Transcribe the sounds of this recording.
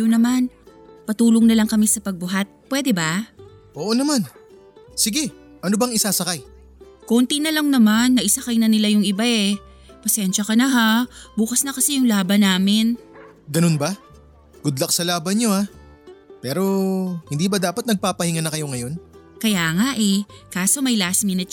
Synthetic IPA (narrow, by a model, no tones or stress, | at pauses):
jʊnɐman | pɐt̪uːloŋnɐlɐŋkɐmisɐpɐɡ̚bʊɦat̪̚pwɛd̪ɛba | ʔoːʔonɐman | sɪɡɛ | ʔɐnobɐŋɪsaːsɐkaj | kont̪inɐlɐŋnɐmanːɐʔɪsɐkajnɐnɪlajʊŋɪbaʔɛ | pɐsɛnʃɐkɐnɐɦabuːkɐsnɐkɐsɛjʊŋlaːbɐnaːmɪn | ɡɐno̞nba | ɡ̥ʊd̪lɐk̚sɐlaːbɐnɲo̞a | pɛːɾo̞hɪnd̪iːbɐd̪aːpɐt̪nɐɡ̚paːpɐhɪŋanɐkɐjo̞ŋɐjo̞nkɐjaːŋaʔɛkaːso̞mɐjlasmɪnɪt͡ʃ